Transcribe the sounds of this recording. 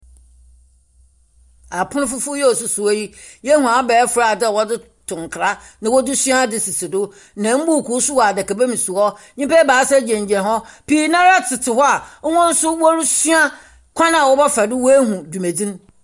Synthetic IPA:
a˨pʰʊ̃˦nʊ̃˦fʊ˦fʊ˦jɛ˦o˨sʊ˨sʊ˨ɔ˦ji˦jɛ˦hũ˨a˨˦bɛː˨˦fʊ˨ɾa˨dɪ˦˨wɔ˦dɪ˦ | tʰʊ̃˨ŋ˨kʰɾa˦nã˦wɔ˦dɪ˦sɥa˦dɪ˨sɪ˨sʰɪ˨dʊ˦ | nã˨˦m̩˦bu˦˨kʰu˦sʊ˦wdɛ˨kɛ˨be˦mĩ˨su˨ɔ˦ | ɲĩ˦pɛ˦baː˨˦sɛ˦d͡ʑɛ̃˨ɲ˨d͡ʑɛ̃˨ɦɔ˦pi˦nã˦ɾa˦tʰɪ˨tʰɪ˨hɔ˦a˨˦wɔ̃˦n̩˦sʊ˦wɔ˦ɾʊ˦sɥa˦ | kʰʷã˦nã˨a˨wɔ˦bɔ˦fa˨dɪ˦wɔ˦e˦ɦũ˨du˨me˨d͡zĩ˦n˦

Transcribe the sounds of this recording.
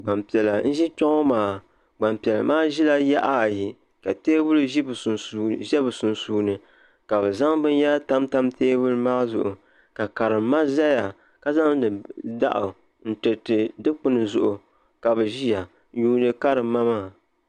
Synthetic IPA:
ɡ͡ba˨mpi˨ɛ˨la˨n̩˦ʒi˦t͡ʃɔ˦ŋɔ˦maː˨ | ɡ͡ba˨mpi˨ɛ˨la̰˨maː˦ʒi˦la˦ja˦ʔa˦˨ji˨ | ka˨teː˦bʊ˦lɨ˦i˦bsʒɛ˦bɨ˨su˨nsuː˨nɨ˨ | ka˨bɛ˨za˦ŋbɨ˦nja˦lta˦mta˦mteː˦bʊ˦ɾɨ˦maː˦zʊ̰˨ʔʊ˨ | ka˨ka˨ɾɨ˨mː˦a˦za˦ja˨ | ka˦za˦ŋdɨ˨da̰˦ʔʊ˨ | n̩˦˨tɨ˨tɨ˨dɨ˦k͡pʊ˦nɨ˨zʊ˨ʔʊ˨ | ka˨bɛ˨ʒi˦ja˨ | ɲuː˦nɨ˨ka˦ɾɨ˨m˦ma˦maː˦˨

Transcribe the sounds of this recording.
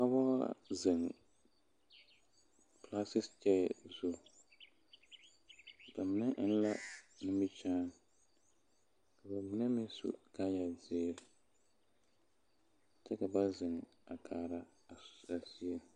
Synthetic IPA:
ka˦bɔ̰˦zɪ˨ŋ | pla˦sɪ˦st͡ʃɛ˦˨zu˦ | ba˨mɪ˨na˦ʔɪ˦n˦la˦nɪ˦mi˦t͡ʃaː˦ | ka˨ba˨mi˨nɛ˦mɪ˦sṵ˦ka˦ja˨zɪː˦ɾ | t͡ʃɛ˦ka˨ba˦zɪ˨ŋ˨ | a˨kʰaː˨ɾa˦ | a˨sa˨si˦e˦

